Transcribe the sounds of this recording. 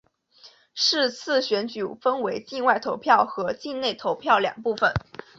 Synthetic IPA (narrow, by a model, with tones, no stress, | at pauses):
ʂɻ̩˥˧t͡sʰɹ̩˥˩ɕɥɛ˧˥nt͡ɕy˨˩fə˥nwe˧˥ɪt͡ɕi˥˧nwa˥˩ɪt̪ʰo˧˥ʊpʰjɑ˥˩ʊxɤ˧˥t͡ɕi˥˧nne˥˩ɪt̪ʰo˧˥ʊpʰjɑ˥˩ʊljɑ̰˨˩ŋpu˥˩fə˨˩n